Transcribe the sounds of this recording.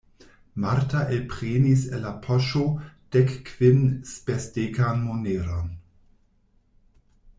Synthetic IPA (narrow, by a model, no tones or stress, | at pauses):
maɾtʰaʔelpʁeːniselapʰɔʃod̥ɛkːv̥ɪnspesdekanmoneɾan